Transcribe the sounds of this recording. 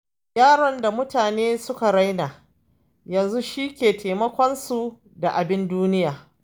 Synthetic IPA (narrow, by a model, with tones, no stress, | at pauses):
jaː˦ɽɔ˨nda˨mʊ˦taː˨neː˦sʊ˦ka˨ɽa˦jnaː˨ | jɐ˨nzu˦ʃiː˦kʲeː˨tʰa˨mɐ˦kʷɔ˦nsu˨ | da˨ʔa˨bɪ˦nduː˦nɪ˦jaː˨